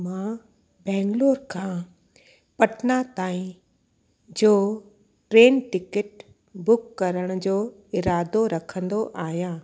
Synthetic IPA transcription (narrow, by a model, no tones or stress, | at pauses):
mã | bɛ̃ːŋɡloːɾkʰãː | pɐʈʰnat̪aːĩ | d͡ʑoː | ʈɾeːnʈɪkəʈ | bʊkːɐɾəɽ̃ʊ̆d͡ʑoː | ɪɾaːd̪oɾɐkʰə̃nd̪oʔaːɦjãː